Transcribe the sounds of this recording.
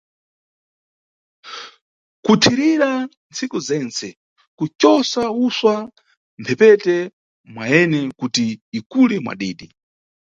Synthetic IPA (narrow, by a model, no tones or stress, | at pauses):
kutʰiɾiɾa | nt͡sʰikuzɛnt͡sɛ | kut͡ʃɔsauswa | mpʰɛpɛtɛ | mwaɛnɛkutiːkulɛmwa̰ɗiːɗi